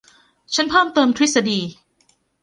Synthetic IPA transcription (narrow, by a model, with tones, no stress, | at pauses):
t͡ɕʰa˦˥npʰɤː˥˩mt̪ɤː˧mt̪ʰɾi˦˥t̪̚sa˧diː˧